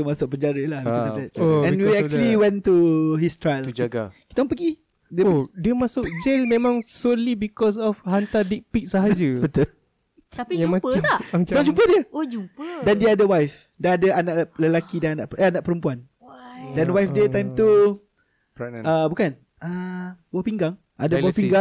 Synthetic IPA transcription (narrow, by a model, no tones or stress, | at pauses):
əmasʊk̚pəɲd͡ʒaɾəlahbikɔsɔfdɛt̚ɛ̃nwiɛkuəliwɛ̃nt̪uɦist̪ɹajld͡ʒɡki̥t̪aɔ̃ŋpəɡi | dədiəmasʊk̚d͡ʒelmẽmãŋsolibikɔs̬ɔfhãnt̪adik̚pik̚saɦad͡ʒəbət̪u | t̪aiumapəanɔd͡ʒump̬ədiəod͡ʒupədɛndiadəwajf | daadəanaʔʔləlakidananaʔanaʔ̚pəɾəmpuan | dɛnwajfdət̪ãjmt̪u | əbukan | əwɔpiŋɡaŋ | ʔadəwɔpiŋɡaŋ